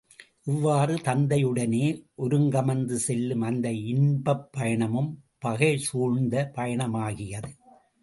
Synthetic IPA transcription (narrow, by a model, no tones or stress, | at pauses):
ʔɪʋːaːrɯt̪ɐnd̪ɐjɯɽɐneːʔɔɾɯŋɡɐmɐnd̪ɯsɛlːɯmɐnd̪ɐɪɳbɐpːɐjɐɳɐmɯmpɐɣɐɪsuːɻnd̪ɐpɐjɐɳɐmaːɣɪjɐðɯ